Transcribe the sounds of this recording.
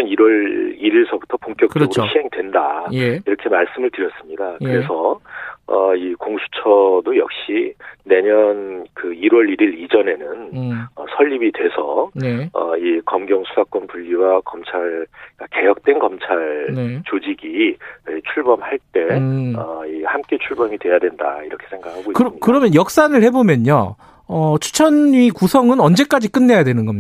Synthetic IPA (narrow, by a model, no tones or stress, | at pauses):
ʌniɾwʌɾiɾiɭsʰʌbutʰʌpoŋk͈jʌk͈̚ɡɯoçʰiɦe̞ŋdwe̞ndaiɾʌkʰe̞maɭs͈ɯmɯɭtɯɾjʌs͈ɯmɲidakɯɾe̞sʰʌ | ʌikoŋsʰu̥t͡ɕʰʌdojʌk̚ɕ͈ine̞ɲʌnkɯiɾwʌɾiɾiɾid͡ʑʌne̞nɯnʌsʰʌʎːibidwe̞sʰʌnʌ̰ikʌmɡjʌŋsʰusʰak͈wʌnpuʎːiwakʌmt͡ɕʰaɭk͈ake̞jʌk̚t͈we̞nɡʌmt͡ɕʰaɭnet͡ɕod͡ʑiɡiet͡ɕʰuɭbʌmhaɭt͈e̞ʌihamk͈e̞t͡ɕʰuɭbʌmidwe̞jadwe̞nda̰iɾʌkʰe̞̥sʰe̞ŋɡakhʰaɡoikɯikɯɾʌmjʌnjʌk̚s͈anɯɭhe̞bomjʌɲo̰ | ʌt͡ɕʰu̥t͡ɕʰʌnɥikusʰʌŋɯnʌnd͡ʑe̞k͈ad͡ʑik͈ɯnːe̞jadwe̞nɯnɡʌmɲi